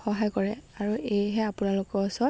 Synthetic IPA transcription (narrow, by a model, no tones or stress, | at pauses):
xɔɦajkɔɹɛaɹuʔejɦɛapʊnalʊkɔɔsɔ